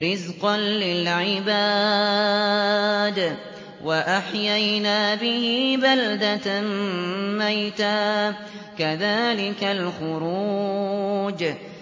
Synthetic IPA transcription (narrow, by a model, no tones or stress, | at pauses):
ɾɪzqɑnlɪlʕɪba | d̪ | wʔaʔaħjajnaːbɪhibald̪at̪ammajt̪aː | kaðaːlɪkalxʊɾuː | d͡ʒ